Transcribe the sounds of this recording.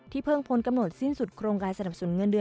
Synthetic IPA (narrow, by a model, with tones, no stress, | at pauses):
t̪ʰiː˥˩pʰɤː˥˩ŋpʰo˨˧˦nka˧mno˨˩t̪̚si˥˩nsu˨˩t̪̚kʰɾoː˧ŋkaː˧nsa˧na˨˩psu˩˦nŋɤ˧ndɯ˧